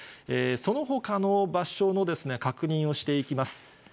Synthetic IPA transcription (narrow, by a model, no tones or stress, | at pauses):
eːso̞no̞ɦo̞kanobaɕo̞no̞d̪e̞sɨne̞kakɯ̟ɲ̟ĩɰ̃o̞ɕi̥t̪e̞ikʲimasɨ̥